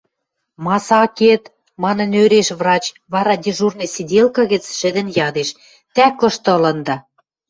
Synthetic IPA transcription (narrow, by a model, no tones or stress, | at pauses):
mɑsɑket̪ | mɑnɤ̆nøɾeʃβrɑt͡ɕ | βɑɾɑd̪ʲiʒurnesid̪ʲelkɤɣə̆t͡sʃɘ̆d̪ə̆njɑd̪eʃ | t̪ækɤ̆ʃt̪ɤ̆lɤ̆nd̪ɑ